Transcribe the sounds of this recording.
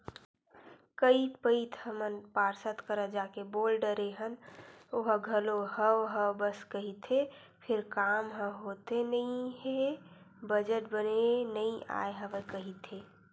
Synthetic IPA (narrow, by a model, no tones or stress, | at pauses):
kəipəɪt̪ʰhəmənpaːɾsət̪kəɾəd͡ʒaːkeboːlɖəɾeɦənoɦɡʱəloɦəwɦəwbəskəɦit̪ʰe | pʰɪɾkamɦəɦot̪enəĩɦebəd͡ʒəʈ̚bənenəĩa̰eɦəʋkəɦit̪e